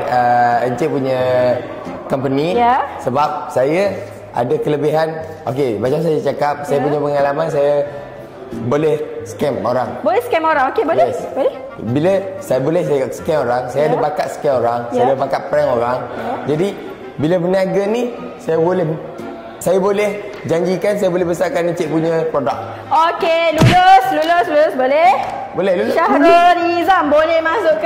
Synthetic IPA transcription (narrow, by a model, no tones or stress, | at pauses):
əəɲt͡ʃeʔpuɲə | kəmpənisəbap̚saja | ʔa̰dakələbiɦan | okebat͡ʃams̬ajat͡ʃakap̚sajapuɲə̃pəŋalamans̬aja | bolɛhsə̥kɛmoɾaŋbolɛhskɛmoɾaŋokebojleɛsbolɛ | biləsajabolɛhsajsə̥kɛmoɾaŋsajadabakat̪̚sə̥kɛoɾaŋsajadabakatʔ̚pɾɛŋoɾaŋd͡ʒadi | biləbənaɡəni | sajabolɛh | sajabolɛh | d͡ʒaɲd͡ʒikans̬ajabolebəsakanit͡ʃeʔ̚puɲə̃pɾodak̚ | okelulosluloslulʊsbolɛh | bolɛluʃahɾanizambolɛhmasʊʔk